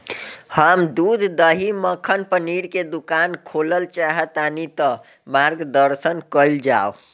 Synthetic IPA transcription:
həmd̪ud̪ʱd̪əɦiməkʰənpəniɾked̪ukankʰoləlt͡ʃaɦət̪anit̪ə | maɾɡd̪əɾsənkəjld͡ʒao

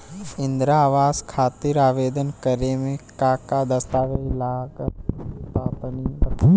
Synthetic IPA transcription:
ɪ̃nd̪ɾaːʋaːskʰaːt̪ɪɾaːʋeːd̪ənkəɾemẽkaːkad̪ɐst̪aːʋelaːk | p̪aːpəni

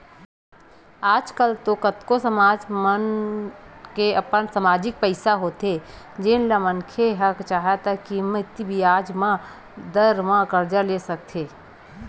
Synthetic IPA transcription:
aːd͡ʒkəlt̪okət̪kosəmaːd͡ʒmən | keɐpənsəmaːd͡ʒɪk̚pəɪsaɦoːt̪e | d͡ʒɪnlamənkʰeɦɐkt͡ʃaːɦat̪akimɪt̪ibʱiaːd͡ʒmã | d̪əɾmãkəɾd͡ʒəɾleːsɐk̚t̪ʰeː

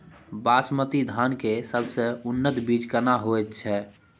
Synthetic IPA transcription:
baːsmət̪id̪ʱaːnkesəbsəʊnːət̪biːd͡ʒkənaɦoet̪t͡ʃʰɛː

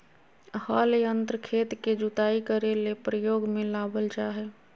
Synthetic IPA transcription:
həlejənt̪ɾəkʰet̪ked͡ʒut̪aikəɾelepɾəjoːɡmẽlabəlt͡ʃaɦɛ

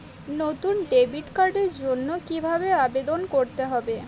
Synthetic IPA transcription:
not̪unɖebiʈkaɾɖeɾd͡ʑonːokibʱabeabed̪onkoɾt̪eɦɔbe

